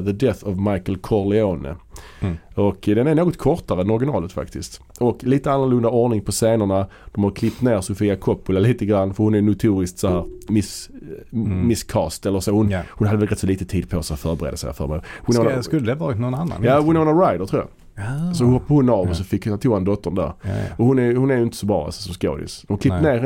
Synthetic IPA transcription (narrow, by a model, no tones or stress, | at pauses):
ðəd̪ɛθɑvmaɪkəlkʰɔɾlɛoːnə̰ | ɔkd̪ɛnæɾɳoːɡɔt̪kʰɔɾt̪aɾənɔɾɡɪnɑːlət̪fa̰kt̪ɪst̪ | ɔkliːt̪əanːəɾlɵnd̪aɔɾnɪŋpʰɔseːnəɳa | d̪̥ɔmhaɾkʰlɪp̚t̪neːɾsʊfiːakʰɔpːʊlaliːt̪əɡɾanːfəɾhʊnæɾjnʊt̪ʰuːɾɪskt̪sɔɦæːɾmɪs | mɪskʰɑːst̪ɛlːəɾsoːhʊnhʊnhad̪əɛlɾɛt̪sɔliːt̪ət̪ʰiːd̪̚pʰɔsɛɔfœːɾbəɛɾḛːd̪əsɛ̰ɪɔfœ̰ɾbḛːd̪wɪnoskɵlːəd̪ɛvɑːɾɪt̪nɔnanːa̰njaːwɪnoːnaɾaɪd̪ətʰɾuːja̰ | sɔhɔpːahʊnɑvɔsɔfɪkːht̪ʰuːɛnd̪ɔt̪ːəɳd̪æ̰ːɾɔhʊnæjhʊnæɾjʏɪnt̪ə̥sɔbɾɑ̰ːa̰lsɔ̥sɔmsko̰ːd̪ɪ̰sd̪ɔmhaklɪt̪neːɾ